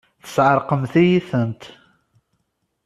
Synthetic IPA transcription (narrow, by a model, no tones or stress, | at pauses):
θə̥sʕəɾˤqəmθijiθənt̪